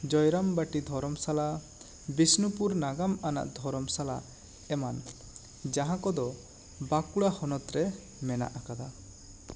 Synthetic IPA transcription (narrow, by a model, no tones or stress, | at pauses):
d͡ʒɔjɾambaʈid̪ʱɔɾɔmsala | bisnupuɾnaɡamana̰ʔd̪ʱɔɾɔmsala̰ | ɛman | d͡ʒaɦãkɔd̪ɔ | bakuɽahɔnɔt̪ɾɛ | mɛna̰ʔakad̪a